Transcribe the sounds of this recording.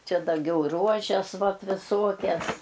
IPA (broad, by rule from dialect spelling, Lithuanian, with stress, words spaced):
ˈt͡ʃʲɛ dɐˈɡʲɛʊ ˈruɔʒʲɛs ˈʋɐt ʋʲɪˈsuɔkʲɛs